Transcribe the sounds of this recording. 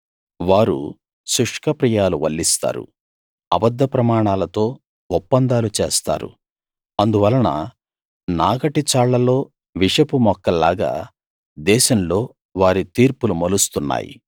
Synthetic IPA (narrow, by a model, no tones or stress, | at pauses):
ʋaːɾṵ | suʂkɐpɾijaːluʋɐ̰lːist̪a̰ːɾṵ | ɐbɐd̪ʱːɐpɾɐmaːɳaːlɐt̪o̞ː | ɔpːɐnd̪aːlut͡ʃeːst̪a̰ːɾṵ | ɐnd̪uʋɐlːɐnɐ̰ | naːɡɐʈit͡ʃaːɭːɐlo̞ː | ʋiʂɐpumɔkːɐlːaːɡa̰ː | d̪ɛːʃɐmlo̞ː | ʋaːɾit̪iːɾpulumɐlust̪unːa̰ːjḭ